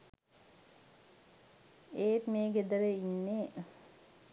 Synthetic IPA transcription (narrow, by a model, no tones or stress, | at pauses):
eːt̪meːɡed̪əɾeinːe